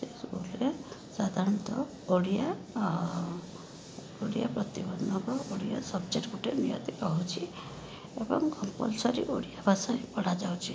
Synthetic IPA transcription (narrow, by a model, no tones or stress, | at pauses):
sesɡulesad̪ʱaɾɔnt̪ɔ | oɽija | oɽijapɾɔt̪ibɔnɔbɔoɽija̰sɔbd͡ʒeʈɡuʈemija̰t̪ikɔɦut͡ʃʰi | ebɔŋkɔmpɔ̰lsɔɾiʔoɽijabʱasaĩpɔɽ̤ad͡ʒawt͡ʃʰi